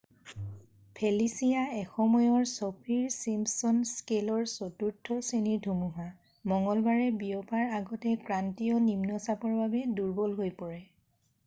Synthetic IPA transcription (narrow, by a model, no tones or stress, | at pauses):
pʰelisijaɛxɔmɔjɔɹsɔpʰiɹsimpsɔnskelɔɹsɔtuɹtʰːɔsenidʱumuɦa | mɔŋɡɔlbaɹɛbijɔpaɹaɡɔtɛkɹantijɔnimnɔsapɔɹbabɛduɹbɔlɦojpɔɹɛ